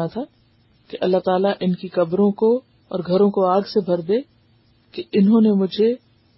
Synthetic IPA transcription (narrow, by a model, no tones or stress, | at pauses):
at̪ʰa | keʔɐlːaɦt̪aːlaʔɪnkikɐbɾõko | ɔːɾɡʱɐɾõkoaːɡsebʱɐɾd̪eː | keɪnɦõnemʊd͡ʒʱe